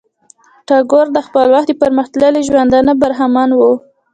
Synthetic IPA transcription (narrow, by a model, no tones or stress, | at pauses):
ʈɑɡoɾd̪əxpəlwaxt̪d̪əpəɾməxt̪ləleʒwand̪anabaɾɦamɑnwu